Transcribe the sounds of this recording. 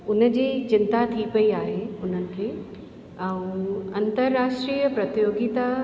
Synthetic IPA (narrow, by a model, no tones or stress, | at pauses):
ʊnə̆d͡ʑiːt͡ɕɪnt̪at̪ʰipɐiaːɦeʊn̤ənɪ̆kʰeː | ɛ̃ũɐ̃nt̪əɾːaːʃʈɾiːjəpɾɐt̪joːɡit̪a